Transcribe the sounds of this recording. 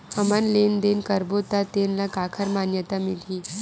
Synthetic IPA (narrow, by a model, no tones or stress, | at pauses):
əmanlend̪enkəɾbot̪at̪enlakakʰəɾmanjət̪amilɦi